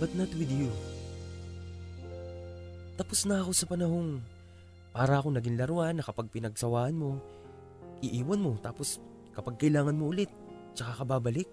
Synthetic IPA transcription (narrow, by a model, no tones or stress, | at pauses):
bɐt̪̚nɐt̪wɪd̪io | t̪ɐposnɐɐko̞sɐpɐnɐho̞ŋ | paːɾɐʔɐkonɐɡɪŋlɐɾʊʔanːɐkɐpaɡ̚pɪnɐɡ̚sɐwaːʔɐnmo̞ | ʔɪʔiːwɐnmo̞t̪aːpo̞s | kɐpɐɡ̚kɐʔɪlaːŋɐnmoʔʊlɪt̪̚ | t͡ʃɐkakɐbaːbɐlɪk̚